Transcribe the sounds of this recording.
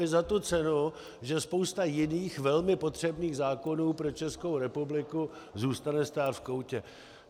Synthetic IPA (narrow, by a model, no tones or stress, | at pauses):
ɪzat̪ut͡sɛnʊ | ʒɛspo̞wst̪ajɪniːxvɛlmɪpo̞t̪r̝̥ɛbniːɣzaːko̞nuːpɾo̞t͡ʃɛskowɾɛpublɪku | zuːst̪anɛst̪aːt̪fkowcɛ